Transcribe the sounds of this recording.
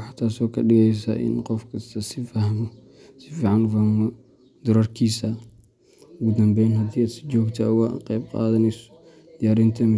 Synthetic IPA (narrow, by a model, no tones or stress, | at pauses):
ħat̪ʰːaːsɔːkʰɐɗɪɣɛjs̬ɐ̰ʔɪ̰nqɔfkʰɐst̪ʰɐsɪfɐhmɔ | sɪfiːʕɑnfɐhmɔ | d̪ʊɾɐrkʰiːsɐ | ɡʊd̪ɐmbɛjnɦɐd̪iːaːd̪sɪ̥d͡ʒɔːɡt̪ʰawa̰qɛjb̚qɑ̰ːðɐnɛsɔ̥ | d̪ɪjaːɾint̪ʰɐm